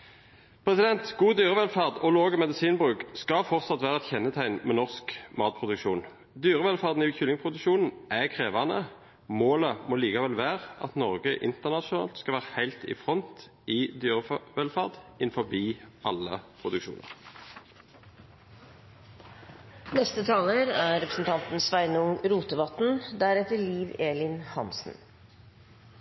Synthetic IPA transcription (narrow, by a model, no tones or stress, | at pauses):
pʰʁɛsɪd̪ɛnt̪ɡ̥uːd̪yːʁəʋɛlfɑʁd̪ɔloːɡəmɛd̪ɪsiːnbʁʉːkskɑfɔʁt̪sɑt̪ʋæːʁəɛt̪çɛnːət̪ʰæɪnmɛnɔʁskmɑːt̪̚pʰʁʊd̪ʉkʃuːn | d̪yːʁəʋɛlfɑʁd̪n̩ɪçʏlɪŋpʰʁʊd̪ʉʃuːnn̩ækʰʁeːʋɑnə | moːləmɔliːkɑʋɛlʋæːʁʔɑ̰t̪nɔʁɡəʔɪ̰nt̪əʁnɑʃʊnɑ̰ːlt̪skɑʋæːʁəhæɪlt̪ɪ̰fʁɔnt̪ | ɪd̪yːʁəʋɛlfɑʁd̪ɪnfɔbiːʔɑlə̰pʰʁʊd̪ʉkʃṵːnə̰ʁ | nɛst̪ət̪ʰɑːləɾæɾɛpɾəsn̩t̪ʰɑnt̪n̩sʋæɪnʊŋɾuːt̪əʋɑt̪n̩d̪æɾɛt̪əɭiːʋeːlɪnhɑ̰nsn̩